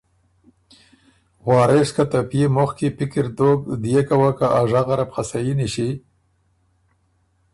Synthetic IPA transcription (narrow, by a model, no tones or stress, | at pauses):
ɣwɑːɾeʂkat̪apjemʊxkipɪkɪɾd̪ok̚d̪jekawakaʔaʐaɣaɾapxasajiniʃi